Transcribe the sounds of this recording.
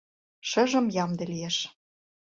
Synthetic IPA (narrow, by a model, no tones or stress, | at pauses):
ʃɤ̆ʒə̆mjɑmd̪ĕlieʃ